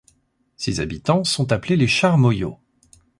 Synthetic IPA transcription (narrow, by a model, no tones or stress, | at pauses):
seza̰bit̪ɑ̃sɔ̃t̪apleleʃaʁmɔjo̰